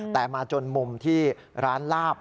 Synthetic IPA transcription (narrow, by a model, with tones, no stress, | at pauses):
t̪ɛː˨˩maː˧t͡ɕo˧nmu˧mt̪ʰiː˥˩ | ɾaː˦˥nlaː˥˩p̚